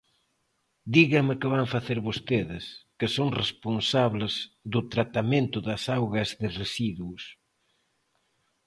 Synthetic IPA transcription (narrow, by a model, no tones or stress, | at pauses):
d̪iɣɐmɪkɪβaŋfaθeɾβost̪eðɪskɪsoŋresponsaβlɪzðʊt̪ɾat̪amẽnt̪ʊðɐsawɣɐzðɪresiðuus